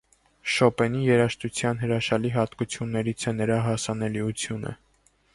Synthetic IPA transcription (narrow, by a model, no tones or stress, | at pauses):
ʃɔpɛnijɛɾɑʃt̪ut͡sʰjɑnɦəɾɑʃɑliɦɑt̪kut͡sʰjunːɛɾit͡sʰɛnəɾɑɦɑsɑnɛliut͡sʰjunə̰